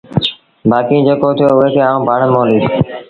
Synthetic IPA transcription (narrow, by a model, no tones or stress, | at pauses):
baːkĩːd͡ʒeːkoːt̪ʰɪjoːʊɦeːkʰeːaːũːbʱaɳmõːliːd̪